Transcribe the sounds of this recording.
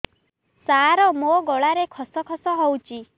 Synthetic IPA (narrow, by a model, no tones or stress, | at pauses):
saɾɔmoɡɔɭaɾekʰɔsɔkʰɔsɔɦowt͡ʃʰi